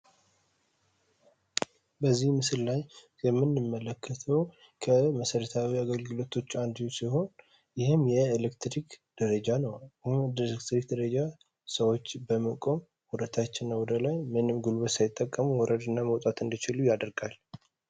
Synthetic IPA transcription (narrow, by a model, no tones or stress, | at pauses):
bəzːihmɨsɨllaj | jɛmːɨnːɨmːələkʰːət̪ʰəw | kʰəməsəɾət̪ʰawiaɡəlɡɨlo̞t̪ʰo̞t͡ʃːand̪iwsiɦo̞n | jɪhɨmjɛelekt̪ɾikd̪̥əɾəd͡ʒanəwhmd̪əlekt̪ɾik̚d̪əɾəd͡ʒa | səwo̞t͡ʃːbəməkʼo̞m | wɔɾət̪ʰat͡ʃːɪnːəwɔd̪əlajmɨnɨmɡulwəsajɪt̪ʼːəkʼːəmuwɔɾʔəd̪ɨnːaməwt̪ʼat̪ɨnd̪it͡ʃɪlujad̪əɾɡal